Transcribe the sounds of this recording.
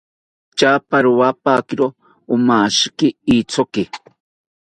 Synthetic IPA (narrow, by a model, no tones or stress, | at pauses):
t͡ʃaːpaɾuwapakɪɾoː | maːʃkɪit͡sʰokɪ